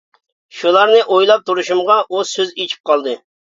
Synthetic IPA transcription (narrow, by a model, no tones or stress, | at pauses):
ʃulˠɑɾnɨʔojlˠɑp̚t̪ʰuɾuʃumʁɑʔusøzet͡ʃʰi̥p̚qʰɑlˠd̪ɨ